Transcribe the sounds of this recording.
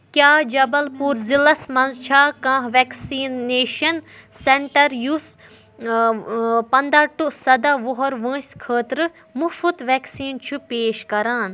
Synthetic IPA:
kjaːd͡ʒɐbɐlpuɾzilɐsmɐ̃nzt͡ʃʰaːkãːɦʋɛːksiːneːʃɐnsẽɳʈɐɾjus | pɐnd̪aːʈusɐd̪aʋʊɦɔɾʋə̃ːsʲkʰəːt̪ɾɨ | mufut̪ʋɛːksiːnt͡ʃʰupeːʃkɐɾaːn

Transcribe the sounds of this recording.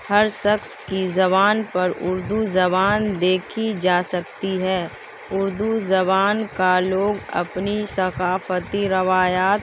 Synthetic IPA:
hɐɾʃɐkskizɐβaːnpɐɾʊ̰ɾd̪uzɐbaːnd̪eːkʰid͡ʒaːsɐkt̪iɦɛː | ʊɾd̪uzɐbaːnkaloːɡɐ̰pnisɐkaːfət̪iɾɐʋaːjaːt̪

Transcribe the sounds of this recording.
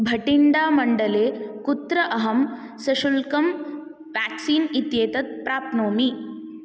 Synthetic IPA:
bʱɐʈiɳɖaːmɐɳɖɐleːkut̪ɾɐʔɐɦɐm | sɐʃulkɐm | ʋaːksiːnit̪jeːt̪ɐt̪̚pɾaːp̪̚noːmi

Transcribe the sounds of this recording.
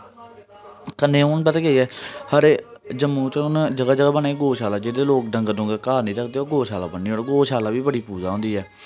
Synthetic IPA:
kənːẽːʊnbət̪ːɡeiːɛːhəɾeːd͡ʒəmːũːt͡ʃ̪ːʊnd͡ʒəɡaːd͡ʒəɡaːbəneːiːɡoːʃaːlaːd͡ʒeːd̪eːloːk̚ɖəŋɡnʊ̃ːɡəkaːɾnĩːɾəkʰd̪eːoːɡoːʃaːla̰ːbənːiːoːɽɡoːʃaːlaːʋiːbəɽiːpuːd͡ʒaːɦõːnd̪iːɛː

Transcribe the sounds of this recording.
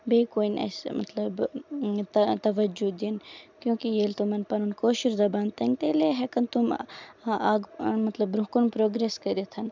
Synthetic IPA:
beːkoːinɐ̰smɐ̰t̪lɐbt̪ɐt̪ɐʋɐd͡ʒud̪inkjõːkijeːlt̪umɐnpɐnunkoːʃiɾd̪ɐbaːnt̪ɐnt̪eːleɦekɐnt̪um | aːɡmɐt̪lɐbɾũkunpɾoːɡɾeskɐɾet̪ʰɐn

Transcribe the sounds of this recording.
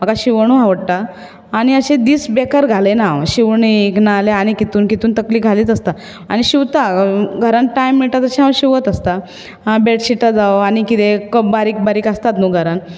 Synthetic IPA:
m̤əkaɕiʋɳ̃ũɦaʋəɽʈaː | ɽ̃iəɕẽd̪iːsbekəɾɡʱalenaɕiʋɳiknaleaɽ̃ikit̪uːnkit̪uːnt̪əkliːkɡʱaliːt̪əst̪a | aɽ̃iɕiʋt̪aɡʱəɾanʈajmːiɭʈ̪at̪əɕiɦãwɕiʋət̪əst̪a | beʈɕiʈad͡zaʋaɽ̃ikit̪ekəbaɾiːk̚baɾiːkəst̪at̪nũɡʱəɾan

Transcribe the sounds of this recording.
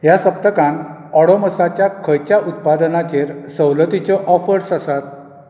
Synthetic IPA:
ɦjasəp̚t̪əkãnɔɽɔməsat͡ɕjakʰəjt͡ɕjaʔut̪̚pad̪ənat͡ɕeɾsəwlət̪it͡ɕɔʔɔfəɾsasat̪̚

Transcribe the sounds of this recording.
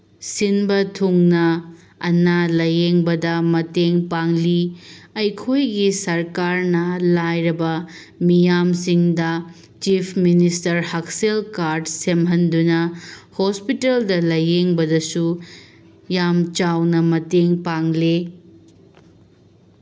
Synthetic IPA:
sinbɐtʰuŋnɐː | nalɐjeŋbɐdɐmɐteŋpaŋliɐjkʰojɡisɐɾkaɾnɐlajɾɐbɐ | mijamsiŋdɐ | t͡ʃipʰministɐɾhakselkaɾdsemɦɐndunɐhospiteldɐlɐjeŋbɐdɐsu | jamt͡ʃawnɐmɐteŋpaŋle

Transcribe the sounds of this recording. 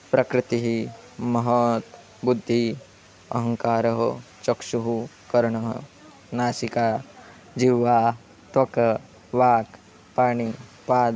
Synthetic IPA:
pɾɐkɾɪt̪iɦi | mɐɦɐt̪ | bud̪ʱːi | ɐ̰ɦɐŋkaːɾɐɦo | t͡ʃɐkʃuɦu | kɐɾɐɳɐɦɐ̰ | naːsikaː | d͡ʒiʋːaː | t̪wɐkɐ | ʋaːk | paːɳipaːd̪

